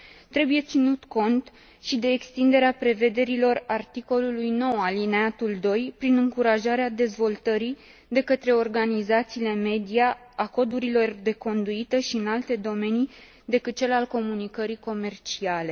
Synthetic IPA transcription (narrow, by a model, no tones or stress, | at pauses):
t̪ɾe̞buje̞t̪sinut̪ko̞nt̪ | ʃid̪e̞ːkst̪ind̪e̞ɾeapɾe̞ve̞d̪e̞ɾilo̞rart̪iko̞lulujno̞walineat̪uld̪o̞jpɾinɨŋkuɾaʒaɾead̪e̞zvo̞lt̪əɾi | d̪e̞kət̪ɾe̞o̞rɡanizat̪siːle̞me̞d̪ija | ako̞d̪uɾilo̞rd̪e̞ko̞nd̪uit̪əʃiɨnalt̪e̞d̪o̞me̞ni | d̪e̞kɨt̪̚t͡ʃe̞lalko̞munikəɾiko̞me̞rt͡ʃiale̞